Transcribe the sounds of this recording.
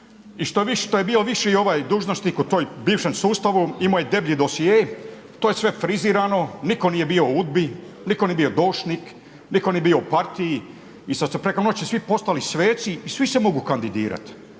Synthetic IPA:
iʃt̪oit̪ojebiːloʋiʃio̞ʋaːjd̪uːʒnost̪ikut̪oːjbiːʋʃemsuːst̪aʋuimojed̪e̞bʎid̪osije | t̪oːjesʋe̞fɾiziːɾano̞niko̞nije̞bioud̪̚bi | nikonijebio̞d̪o̞ːʃnik | nikonijebiːo̞upaɾt̪iji | isad̪sepɾe̞konot͡ɕisʋipo̞st̪alisʋeːt̪siːsʋisemoɡukand̪id̪ḭːɾa̰t̪

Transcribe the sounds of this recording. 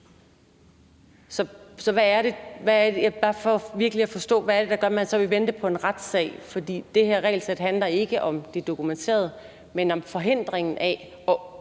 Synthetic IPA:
sɒ̽sɒ̽ʋæːɐɾ̥e̝ʋæɐdebæfɒʋiɐɡ̥əliæfɒ̽sd̥ɔ̰̽ːʋææɐɾ̥e̝d̥ɑ̈ɡ̥ɶɐmænsɒ̽ʋeʋend̥əpʰɒ̽e̝nʁad̥sɛ̰ɪ̰fɒ̽d̥ḭːd̥e̝ɦeɐʁɛ̰ɪlsed̥ɦænlɐe̝ɡ̥əʔɒ̽md̥ed̥o̝kʰument͡sʰe̝̰ːɐð̞ˠ | menɒ̽mfɒ̽ɦe̝n̰d̥ʁeŋn̩ʔæ | ɒ

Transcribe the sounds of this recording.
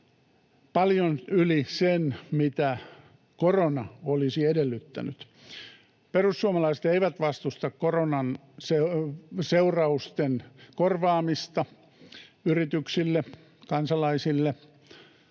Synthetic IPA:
pɑljonylisenmit̪æ | koronɑolisiedelːyt̪ːæ̰nyt̪ | perusːuomɑlɑisĕt̪eiʋæt̪ʋɑst̪ust̪ɑkkoronɑn | seseurɑust̪enkorʋɑːmist̪ɑ | yrit̪yksilːe | kɑnsɑlɑisilːe

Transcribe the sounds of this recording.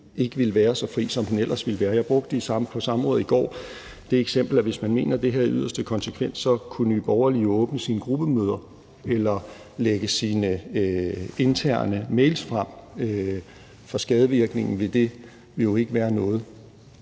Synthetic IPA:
e̝ɡ̥əʋilʋæːɐsɒ̽fʁḭːsɒ̽mhunel̰ʔɐsʋelʋæːɐjɑ̈ɪb̥ʁɔ̽ɡ̥̚d̥əisɑ̈pʰɒ̽sɑ̈mʁɔ̽ːð̩ˠiɡ̥ɒ̰ː | d̥e̝eɡ̥sem̰b̥l̩æʋe̝smænme̝̰ːnɐd̥e̝ɦæɐiyð̞̰ˠɐsd̥əkʰɒ̽nsəkʰʋen̰sɒ̽kʰunəʋib̥ɒʊɐliɔ̽ːb̥nəsiːnəɡ̥ʁub̥əmøːð̞ˠɐ | elɐ | leɡ̥əsiːnə | e̝nt͡sʰæɐ̰nəmeɪlsfʁam̰ø | fɒsɡ̥ɛːð̞ˠəʋiɐɡ̥ne̝ŋn̩ʋe̝d̥e̝ | ʋe̝ljo̝e̝ɡ̥əʋæːɐnɔ̽ːð̞̩ˠ

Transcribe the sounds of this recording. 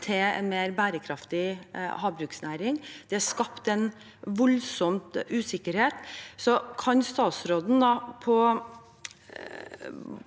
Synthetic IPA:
t̪ʰɪɛ̰nmeːɾbæːɾəkʰɾɑft̪ɪhɑːbɾʉːksnæːɾɪŋd̪̥ɛæʂkɑpt̪ɛn | ʋɔlsɔmt̪ʉːsɪkːəɾheːt̪sɔkʰɑnst̪ɑːt̪sɾoːd̪n̩d̪ɑpʰɔ

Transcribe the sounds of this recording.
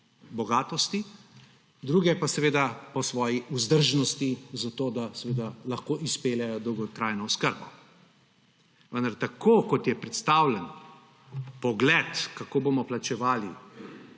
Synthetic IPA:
bɔɡaːt̪ɔst̪i | d̪ɾuːɡɛpasɛʋeːd̪apɔsʋɔːjiuzd̪əɾʒnɔst̪izat̪oːd̪asɛʋeːd̪alaxkoːʔispeːljajɔd̪ɔwɡɔt̪ɾaːjnɔɔskəɾbɔ | ʋənd̪aɾt̪akʰoːkɔt̪jɛpɾɛt̪st̪aːwlɛn | pɔɡlɛt̪kakoːbomɔplat͡ʃɛʋaːli

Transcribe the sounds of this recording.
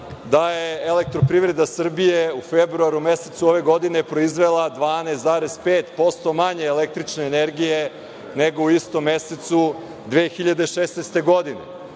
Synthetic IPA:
d̪ajeːlek̚t̪ɾo̞pɾiːʋɾe̞d̪asr̩bijeufebɾuaɾume̞set̪suoʋe̞ɡo̞d̪ine̞pɾo̞izʋe̞lˠad̪ʋaːneːst̪zaːɾespeːt̪po̞st̪o̞maɲe̞ːlek̚t̪ɾit͡ʃneːne̞ɾɡije̞ | neɡo̞uist̪o̞mːeset̪su | d̪ʋeːxiʎad̪eʃeːsnest̪e̞ɡo̞d̪inḛ

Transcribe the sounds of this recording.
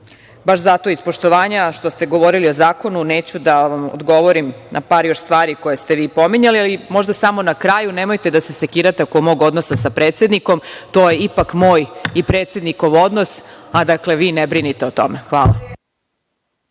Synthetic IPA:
baʃzat̪o̞ispo̞ʃt̪oʋaːɲaʃt̪o̞st̪e̞ɡo̞ʋo̞ɾiliozaːko̞nune̞ːt͡ɕud̪aʋamo̰d̪ɡo̞ʋo̞ɾimnʔapaːɾjo̞ʃst̪ʋaːɾiko̞jest̪eʋiːpo̞miɲalialimo̞ʒd̪asamo̞nakɾajunemo̞jt̪e̞d̪asese̞kiːɾat̪eokoɡmoɡo̞d̪no̞sasapɾeːt̪sje̞d̪niko̞mt̪o̞ːje̞ipakmoːjipɾet̪sje̞d̪niko̞ʋo̞d̪nosad̪akle̞ʋiːnebɾinit̪eot̪o̞̰mexʋaːla̰

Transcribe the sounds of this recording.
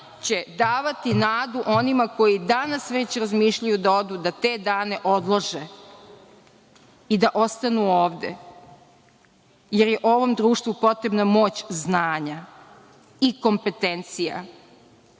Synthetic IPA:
t͡ɕe̞d̪aːʋat̪inaːd̪uʔo̞nimako̞jid̪anasʋe̞t͡ɕɾazmiːʃʎajud̪ao̞d̪ud̪at̪e̞ːd̪aːne̞ʔo̞d̪lˠoʒe | id̪aʔo̞st̪anuoːʋd̪ḛ | jeɾjeʔo̞ʋo̞md̪ɾuːʃt̪vupo̞t̪ɾe̞bnamo̞ːt͡ɕznaːɲa | iko̞mpe̞t̪ent̪sija̰

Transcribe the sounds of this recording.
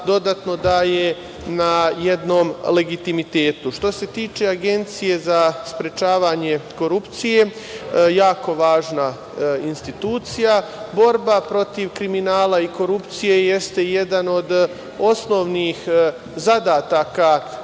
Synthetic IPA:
d̪o̞d̪at̪no̞d̪aje | najed̪no̞ːmle̞ɡit̪imit̪e̞ːt̪uʃt̪o̞se̞t̪iːt͡ʃe̞aɡe̞nt̪sije̞zaspɾe̞t͡ʃaːʋaːɲe̞ko̞ɾupt̪sije | jaːko̞ʋaːʒna | inst̪it̪uːt̪sijabo̞ɾbapɾo̞t̪iʋkɾiminaːlaiko̞ɾupt̪sije̞je̞st̪e̞je̞d̪ano̞d̪ | o̞sno̞ʋnix | zad̪aːt̪aka

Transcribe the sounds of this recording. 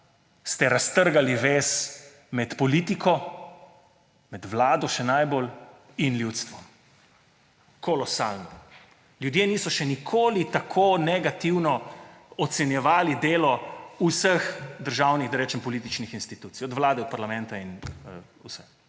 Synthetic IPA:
st̪ɛɾast̪əɾɡaliʋeːs | mɛt̪pɔliːt̪ikʰɔ | mɛd̪ʋlaːd̪ɔʃɛnajbol | inljut̪st̪ʋɔm | kʰɔlɔsaːlnɔ | ljud̪jeːniːsɔʃɛnikʰoːlit̪akʰonɛɡat̪iwnɔɔt̪sɛnjɛʋaːlid̪eːlɔusəxd̪əɾʒawnixd̪ajɾɛt͡ʃɛmpɔlit̪it͡ʃnixinst̪it̪uːt̪sijɔd̪ʋlaːd̪ɛɔt̪̚paɾlamɛ̃nt̪ain | usɛ

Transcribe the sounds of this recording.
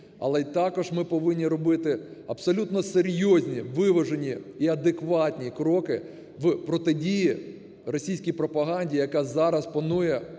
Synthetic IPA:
ɐ̰lˠɛt̪akɔʒmɪpɔʋɪnʲːiɾɔbɪt̪ɪɐbsɔlʲut̪nɔseɾʲjɔzʲnʲiʋɪʋɐʒenʲiiɐd̪ɪkʋɑtʲnʲikɾɔkɪ | ʋpɾɔt̪ɪdʲiji | rɔsʲijsʲkʲijpɾɔpɐɦanʲdʲijɐkazɑɾɐspɐnujɛ

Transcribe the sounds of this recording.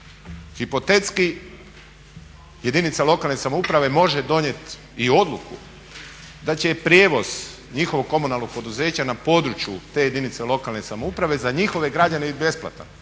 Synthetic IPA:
xipo̞t̪et̪ski | je̞d̪init̪salˠo̞kalˠne̞samoupɾaʋe̞mo̞ʒe̞d̪o̞ɲje̞t̪ | io̞d̪lukṵ | d̪at͡ɕe̞pɾʲje̞ːʋo̞z̥ | ɲixo̞ʋoɡ̚kːo̞munalˠno̞ɡ̚po̞d̪uze̞ːt͡ɕanapo̞ːd̪ɾut͡ɕjut̪e̞je̞d̪init̪se̞lˠo̞kalne̞samoupɾaʋe̞zaɲixo̞ʋe̞ɡɾad͡ʑanebit̪be̞splˠa̰t̪a̰

